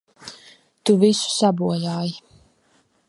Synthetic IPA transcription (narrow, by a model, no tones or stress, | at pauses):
t̪uvisu̥sabuɔjaːji